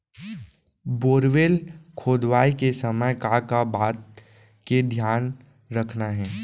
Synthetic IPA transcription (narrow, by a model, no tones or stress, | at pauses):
boːɾʋeːlkʰoːd̪ʋaːikesəməjkakabaːt̪̚ | ked̪ʱjaːn | ɾəkʰnaɦɛː